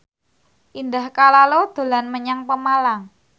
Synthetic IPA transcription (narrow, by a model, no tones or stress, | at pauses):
ʔindahkalalod̪̥o̤lanməɲaŋpəmalaŋ